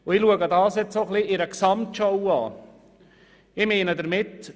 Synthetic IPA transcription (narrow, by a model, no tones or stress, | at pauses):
ʊɪluəɡədɑːsjɛt͡ssoχliʔɪɾəksɑmtʃɔwɑ̰ː | ɪmeːnədəɾmɪt